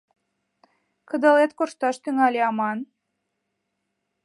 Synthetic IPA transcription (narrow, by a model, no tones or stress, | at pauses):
kə̆d̪ə̆let̪̚korʃt̪ɑʃt̪yŋɑlʲeɑmɑn